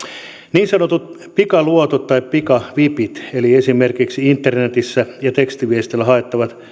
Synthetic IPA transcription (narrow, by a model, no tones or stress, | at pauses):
niːnsɑnot̪ut̪̚ | pikɑluot̪ot̪tɑippikɑʋipit̪eliesimerkiksiint̪ːernet̪isːæjɑt̪ekst̪iʋiest̪elːæhɑet̪ːɑʋɑt̪